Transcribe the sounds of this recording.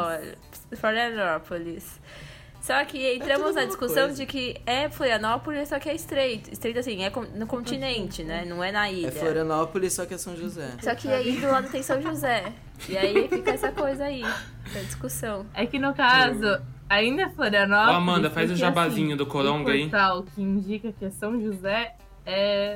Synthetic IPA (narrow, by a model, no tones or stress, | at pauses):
ɔʎ̰ | floɾiɐnɔpolɪsː | ɔkɪẽnt̪ɾɐ̃mʊzɐd͡ʒiskusɐ̃w̃d͡ʒɪkɪɛfloɾiɐnɔpolɪssɔkɪɛɪst̪ɾejt̪ʊɪst̪ɾejt̪ʊasĩɛkõnʊkõnt͡ʃ̪inẽnt͡ʃɪnɛnɐ̃w̃ɛnɐiɛʎɐfloɾiɐnɔpolɪsːɔkɪɛsɐ̃w̃ʒuzɛsɔkɪaid̪ʊlãd̪ʊt̪ẽj̃sɐ̃w̃ʒuzɛ | ɪaifikɐɛsɐkojzɐai | ɐd͡ʒiskusɐ̃w̃ɛkɪnʊkazʊaĩnd̪ɐɛfloɾiɐnɔamɐ̃nd̪ɐfajzʊʒabazĩɲʊd̪ʊkoɾõŋɡɐit̪aʊkɪĩd͡ʒikɐkɪɛsɐ̃w̃ʒuzɛ | ɛ